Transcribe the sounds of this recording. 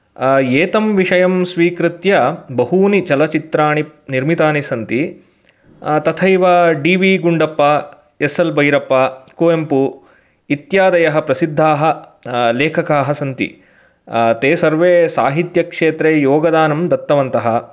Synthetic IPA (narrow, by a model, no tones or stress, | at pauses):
eːt̪ɐmʋiʂɐjɐmsʋiːkɾɪt̪jɐbɐɦuːnit͡ʃɐlɐt͡ʃit̪ɾaːɳiniɾmit̪aːnisɐnt̪i | t̪ɐt̪ʰɐjʋaɖiːʋiːɡuɳɖɐpːɐ | esɐlbɐjɾɐpːɐkoːempu | it̪jaːd̪ɐjɐɦɐ̆pɾɐsid̪ʱːaːɦɐ̆leːkʰɐkaːɦɐsɐnt̪ḭ | t̪eːsɐɾʋeːsaːɦit̪jɐkʂeːt̪ɾeːjoːɡɐd̪aːnɐmd̪ɐt̪ːɐʋɐnt̪ɐɦɐ